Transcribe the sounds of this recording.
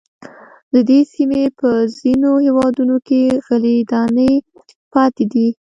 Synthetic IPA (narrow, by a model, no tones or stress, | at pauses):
d̪əd̪esimepəz̥inohewɑd̪unokeɣalid̪ɑnəj | pɑt̪ed̪i